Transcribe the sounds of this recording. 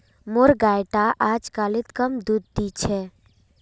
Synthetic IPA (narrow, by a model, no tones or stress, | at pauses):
moɾɡajʈaʔad͡ʒkaːlɪt̪kəmd̪ud̪̚ːit͡ʃʰɛ